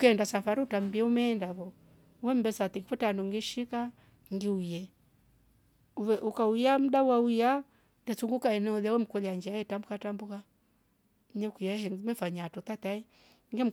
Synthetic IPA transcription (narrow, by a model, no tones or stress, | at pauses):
ukɛndasafaɾiutam̩biɛumɛːndaβɔ | wɛm̩bɛsat̪ikifutanuŋɡiʃika | ŋɡiujɛ | ɛʔukaujam̩ɗawauja | ndɛsuŋɡukaɛnɛuðawɛm̩kɔlaɲd͡ʒiaɛtambukatambuka | ɲɛukujahɛmɛfaɲatɔtataɛ | ŋɡem̩